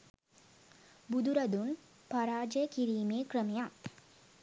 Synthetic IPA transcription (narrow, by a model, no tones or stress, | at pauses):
bud̪uɾɐd̪un | paɾaːd͡ʒəjəkiɾiːmeːkrəmeja